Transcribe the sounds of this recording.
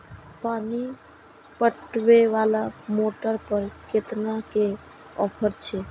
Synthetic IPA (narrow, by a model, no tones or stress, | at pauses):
pani | pəʈʋeʋalamoʈəɾpəɾket̪nake | ɔ̰pʰəɾt͡ʃʰɛ